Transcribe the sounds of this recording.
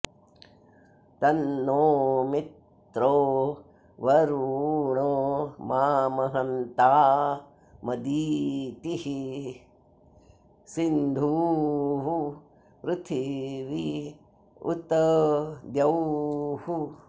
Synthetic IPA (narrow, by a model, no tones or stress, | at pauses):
t̪ɐnːoːmit̪ | ɾoː | ʋɐɾuɳoːmaːmɐɦɐnt̪aː | mɐd̪iːt̪ihi | sind̪ʱuːɦu | pɾɪt̪ʰiʋi | ṵt̪ɐd̪jɐwhu